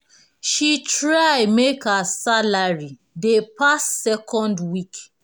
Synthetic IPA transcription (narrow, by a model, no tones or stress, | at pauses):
ʃitɹajmekasalaɹi | depasːɛkʰɔ̃ndwik